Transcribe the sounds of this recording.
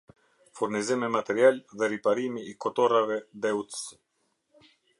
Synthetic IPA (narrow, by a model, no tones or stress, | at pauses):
fuɾnizimɛmat̪ɛɾialðɛɾipaɾimiːkɔt̪ɔɾavɛðɛut̪s